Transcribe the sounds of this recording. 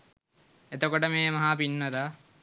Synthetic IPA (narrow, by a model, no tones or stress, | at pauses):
et̪okoʈəmeːmɐɦaːpinːət̪a